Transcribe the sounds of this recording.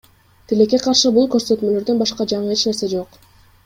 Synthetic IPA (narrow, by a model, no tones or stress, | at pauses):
t̪ʰile̞kʲːe̞qʰɑɾʃɯbulˠkø̞ɾsø̞t̪mø̞lø̞ɾd̪ønbɑʃqɑd͡ʒɑɴɯe̞t͡ʃne̞ɾse̞d͡ʒo̞q